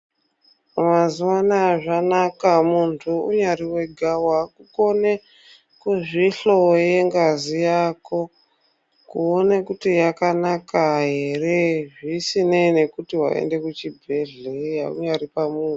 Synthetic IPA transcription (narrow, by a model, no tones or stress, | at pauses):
mazuwanaʐanakamuntʰuṵɲariwe̞ɡʱawakuko̞ne | kuʐiɬo̞je̞ŋɡazijaːko̞ | kuonekutijakanakaɦe̞re̞ʐisinene̞kutiwa̰ḛnde̞kut͡ʃibʱe̞ɮejaṵɲaɾipamuːu